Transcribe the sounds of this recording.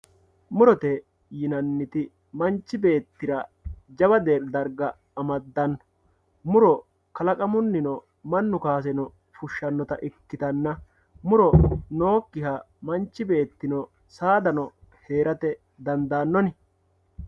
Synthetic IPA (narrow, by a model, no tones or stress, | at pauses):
mʊɾɔt̪ɛ | jɪnɐnːɪt̪ɪ | mɐnt͡ʃːɪbe̞ːt̪ːɪɾɐd͡ʒɐbɐd̪e̞ːɾd̪ɐɾɡɐː | mɐd̪ːɐnːɔ̥ | mʊɾɔ | kɐlɐkʼɐmʊnːɪnɔ | mɐnːʊkaːs̬ɛnɔ | fʊʃːɐnːɔt̪ɐʔɪkːɪt̪ɐnːɐ | mʊɾɔno̞ːkːɪhɐ | mɐnt͡ʃːɪbe̞ːt̪ːɪnɔ | saːd̪ɐnɔ | he̞ːɾɐt̪ɛ | d̪ɐnd̪aːnːɔnɪ